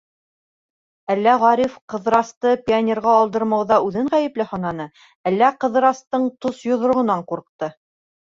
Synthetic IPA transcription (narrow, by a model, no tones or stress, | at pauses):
ælːæʁɑɾʲifqɤ̆ðɾɑst̪ɤpʲianʲerʁɑːlˠd̪ɤ̆ɾmɑwðɑʉðɘɴʁæjɘ̆plɘhɒnɑnɤ | ælːæqɤ̆ðɾɑst̪ɤɴt̪osjŏðɾŏʁɤ̆nɑɴquɾɤ̆q̚t̪ɤ